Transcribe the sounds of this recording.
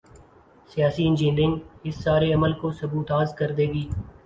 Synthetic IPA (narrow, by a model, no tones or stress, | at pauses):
sijaːsiɪ̃nd͡ʒẽːnɖɪ̃ŋɡɪsːaːɾeɐməlkosɐbuːt̪aːzkɐɾd̪eːɡiː